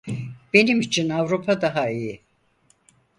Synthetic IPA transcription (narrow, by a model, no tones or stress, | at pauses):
b̥e̞nimit͡ʃʰinavɾupʰad̪aɦaiji